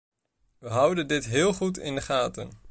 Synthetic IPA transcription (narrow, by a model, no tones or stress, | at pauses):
ʋəɦʌwdəndɪtɦɪːlˠχutɪ̰ndəχaːtə̰n